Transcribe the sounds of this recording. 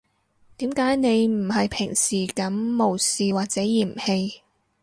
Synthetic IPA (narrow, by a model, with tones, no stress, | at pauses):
t̪iː˨˥mkaː˨˥jne˨˧jm̩˨˩hɐ˨jpʰɪ˨˩ŋsiː˨˩kɐ˨˥mːo˨˩wsiː˨waː˨t̚t͡sɛː˨˥jiː˨˩mhe˧j